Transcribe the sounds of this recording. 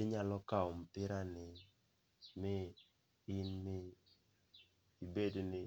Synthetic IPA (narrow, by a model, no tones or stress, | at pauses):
ɪɲalɔkaɔmpɪɾanɪ | mɪ | ɪnmɪ | ibednɪ